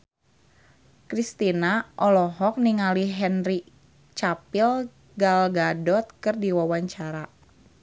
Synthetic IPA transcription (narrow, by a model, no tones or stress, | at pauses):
kɾist̪inaʔɔlɔɦɔk̚niŋaliɦɛnri | t͡ʃapil | ɡalɡadɔt̪̚kɨrdiwawaɲt͡ʃaɾa